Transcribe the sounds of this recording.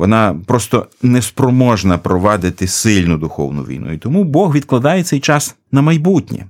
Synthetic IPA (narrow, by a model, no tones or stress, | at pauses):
ʋɔnɑpɾɔst̪ɔnɛspɾɔmɔʒnɐpɾɔʋɑd̪ɪt̪ɪsɪlʲnʊd̪ʊxɔ̰wnʊ̰ʋʲḭjnṵit̪ɔmubɔɦʋʲid̪̚klˠɐd̪ɑjɛt̪sɛjt͡ʃɑs | nɐmɐjbutʲnʲɛ̰